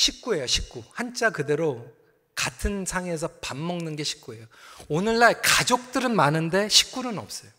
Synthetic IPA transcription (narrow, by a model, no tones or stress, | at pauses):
ɕʰik̚k͈ue̞joɕʰi̥k̚k͈uhant͡ɕ͈akɯde̞ɾo | katʰɯnsʰaŋe̞s̬ʰʌpamːʌŋnɯnɡe̞ɕʰi̥k̚k͈ue̞joonɯɭːaɭkad͡ʑok̚t͈ɯɾɯnmanɯnde̞ɕʰi̥k̚k͈unɯnʌ̰p̚s͈ʌjo